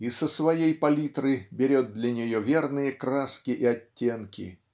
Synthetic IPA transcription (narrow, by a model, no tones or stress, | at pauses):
isəsvɐjejpɐlʲit̪ɾɨbʲɪɾʲo̞t̪̚d̪lʲɐnʲɪjovʲernɨjəkɾaskʲɪʔɪɐtʲːenkʲɪ̰